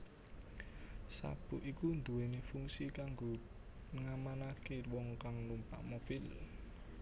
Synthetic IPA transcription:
sa̰b̥uʔikund̪uwenefuŋsikaŋɡo | nəŋamanakewɔŋkaŋlumpa̰ʔmob̥il

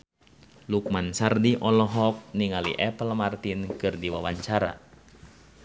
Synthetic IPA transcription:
luk̚mansardiʔɔlɔɦɔk̚niŋalḭʔɛpəlmart̪inkɨrdiwawaɲt͡ʃaɾa̰

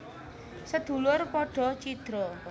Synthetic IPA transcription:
səd̪̥ṳlʊrpɔɖ̥ɔ̤t͡ʃid̪̥ɾɔ

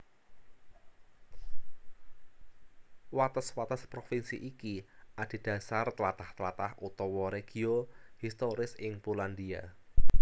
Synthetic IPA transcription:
wat̪əswat̪əspɾofinsḭʔikiʔad̪̥i̤d̥ä̤sart̪əlat̪aht̪əlat̪ahut̪ɔwɔɾeɡ̥i̤ohist̪oɾɪsɪŋpuland̪ia̰

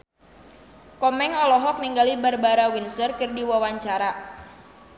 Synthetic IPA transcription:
kɔmɛŋɔlɔɦɔk̚niŋɡalibarbaɾawinsərkɨrdiwawaɲt͡ʃaɾa

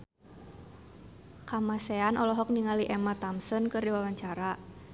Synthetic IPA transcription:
kamaseanʔɔlɔɦɔk̚niŋaliʔemat̪amsənkərdiwawaɲt͡ʃaɾa

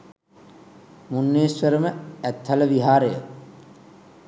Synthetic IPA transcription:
munːeːsʋəɾəməæt̪haləʋiɦaːɾəjə

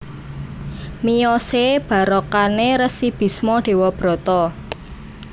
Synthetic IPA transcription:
mijɔseb̥ä̤ɾɔkaneɾəsib̥i̤smɔɖ̥e̤wɔb̥ɾɔ̤t̪ɔ

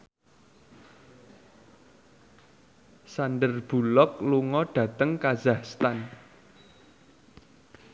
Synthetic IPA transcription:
sanɖərb̥ṳlɔk̚luŋɔɖ̥ä̤t̪əŋkazahst̪an

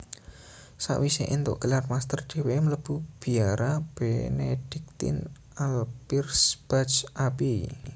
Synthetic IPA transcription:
sa̰ʔwiseʔint̪ʊ̰ʔɡ̥ə̤larmast̪ərd̪̥e̤wemələb̥ub̥i̤aɾab̥enḛd̥ik̚t̪ɪ̰n | alpirsb̥at͡ʃʔapi

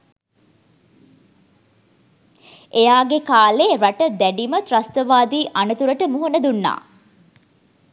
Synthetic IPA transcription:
ʔejaːɡekaːleːɾaʈəd̪æɖimət̪ɾɐst̪əʋaːd̪iːʔanut̪uɾəʈəmuɦunəd̪unːa̰ː

